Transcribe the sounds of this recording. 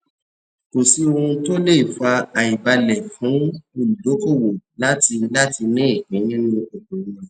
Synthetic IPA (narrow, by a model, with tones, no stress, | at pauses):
ko˨si˨˦o˧ũ˧to˦le˦˨fa˧a˨i˨ba˧lɛ˨fũ˨˦o˧˨lu˨do˨˦ko˦˨wo˨la˨˦ti˧la˦ti˧nĩ˦e˦˨kĩ˨˦nĩ˦nũ˦o˨bo˨ɾĩ˧˦˨